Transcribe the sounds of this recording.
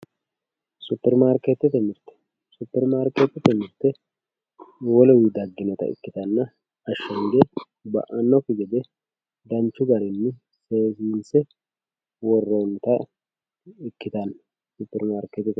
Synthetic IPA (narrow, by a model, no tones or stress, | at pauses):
supːɛɾmaːɾket̪ɛt̪ɛmɪɾt̪ːɛ̥ | supːɛɾmaːɾket̪ɛt̪ɛmɪɾt̪ːɛ | wɔlɔwid̪ɐɡːɪnɔt̪ɐ̰ɪ̰kːɪt̪ɐnːɐ | ɐʃːɐŋɡe | bɐ̰ʔɐnːɔfɪɡɛd̪ɛ | d̪ɐnt͡ʃːʊɡɐɾɪnːɪ | seːsiːnsɛ | wɔrːont̪ɐ | ɪkːɪt̪ɐn | supːɛɾmaːɾket̪ɪt̪